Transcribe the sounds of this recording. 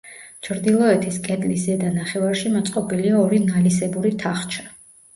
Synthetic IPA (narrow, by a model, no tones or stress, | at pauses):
t͡ʃʰɾd̪ilˠɔɛt̪ʰiskʼɛd̪lis̬zɛd̪anaχɛvaɾʃimɔt̪sʼqʼɔbiliaɔɾinalisɛbuɾit̪ʰaχt͡ʃʰḁ